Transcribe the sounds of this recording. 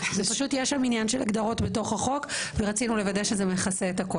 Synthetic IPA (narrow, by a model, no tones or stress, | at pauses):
zepaʃutjeʃaminjanʃela̰ɡd̪aʁo̞tbeto̞χaχo̞kveʁat͡sinule̞vadeʃezemeχaseːtako